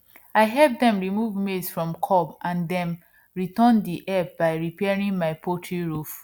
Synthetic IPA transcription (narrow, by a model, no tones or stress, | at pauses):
aɪɦɛp̚dɛ̃mɹimuvmedsfɹɔ̃mkʰɔbãndɛ̃m | ɹitɔ̃ndiʔɛpbaɪɹipɛɹĩŋmaɪpʰotʰɹiɹuf